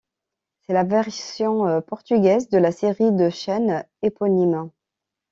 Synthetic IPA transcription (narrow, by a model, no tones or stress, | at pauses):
sɛlavɛʁssjɔ̃øpɔʁt̪yɡʲɛzd̪əlaseʁid̪əʃɛn | epɔnim